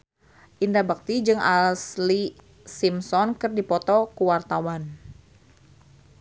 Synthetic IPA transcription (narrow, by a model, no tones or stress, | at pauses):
ʔindabak̚t̪id͡ʒɨŋa̰lsli | simsɔnkɨrdipɔt̪ɔkuwart̪awan